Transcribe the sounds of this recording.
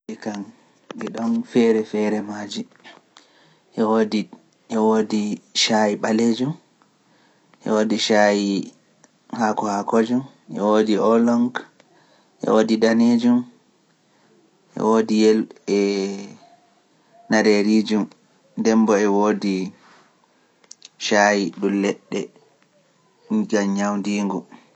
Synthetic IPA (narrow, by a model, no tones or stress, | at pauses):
ɛkan | ɡɛɗɔnfɛɾɛfɛɾɛmaːd͡ʒi | ʔɛwodi | ʔɛwoːdiʃajiɓaled͡ʒum | ʔɛ̰woːdiʃaji | hakɔhakod͡ʒum | ʔɛ̰wodiɔlɔŋɡ | ʔɛ̰wodidaned͡ʒum | ʔɛ̰wodijɛlɛ | naɾeɾid͡ʒum | dɛmbɔɛwoːdi | ʃaːjiɗulɛɗːɛ | ɡaɲawndiːŋɡu